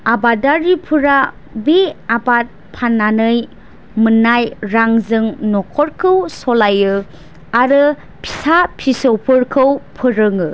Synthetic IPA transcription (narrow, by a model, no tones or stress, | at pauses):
abadaɾipʰɯɾa | beabat̚ | pʰanːanɯj | mɯnajɾaŋzɯŋnɔkʰɔɾkʰɯwsɔlajɯ | aɾɯ | pʰi̥sapʰisopʰɯɾkʰɯwpʰɯɾɯŋɯ